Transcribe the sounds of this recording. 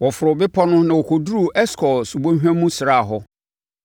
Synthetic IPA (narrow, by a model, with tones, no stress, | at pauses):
wɔ˨fʊ˨ɾʊ˨bɪ˦pʰɔ˦nʊ̃˦nã˨wɔ˨kʰo˨du˦ɾu˦˨ʔɛ˦skʰɔ˨su˨bõ˦ɦᶣæ̃˦mũ˦sɪ˨ɾa˦˨ɦɔ˦